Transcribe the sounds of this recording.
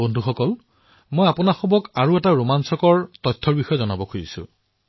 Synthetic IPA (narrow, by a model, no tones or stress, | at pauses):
ondʱuxɔkɔl | mojapʊnaxɔbɔkaɹuɛtaɹomansɔkɔɹtɔjtʰːɔɹbixɔjɛzɔnabɔkʰojḭsʊ̰̃